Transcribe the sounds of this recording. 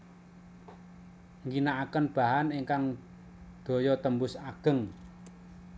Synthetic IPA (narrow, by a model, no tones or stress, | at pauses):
ŋɡinaʔːkənb̥a̤ɦaniŋkaŋ | d̪̥o̤jɔt̪əmbʊsaɡ̥ə̤ŋ